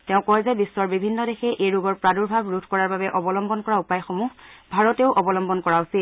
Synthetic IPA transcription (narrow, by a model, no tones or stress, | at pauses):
tɛʊ̃kɔjzɛbisːɔɹbibʱinːɔdexɛʔejɹuɡɔɹpɹaduɹbʱabɹudʱkɔɹaɹbabɛʔɔbɔlɔmbɔnkɔɹaupajxomuɦbʱaɹɔtɛʊʔɔbɔlɔmbɔnkɔɹausit